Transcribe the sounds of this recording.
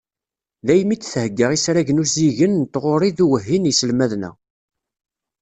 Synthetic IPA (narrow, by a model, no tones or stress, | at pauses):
ðæjmit͡sːθhəɡːəʁisɾæʝənuziʝənt̪ːʁoɾˤiðuwəɦːinjəsəlmæðnæ̰